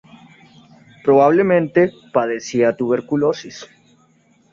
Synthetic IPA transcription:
pɾo̞βaβ̞lemẽnt̪e̞ | paðesiat̪uβeɾkulosis

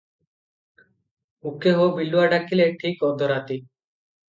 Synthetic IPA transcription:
ukeɦobiluaɖakʰileʈʰikɔd̪ɔɾat̪i

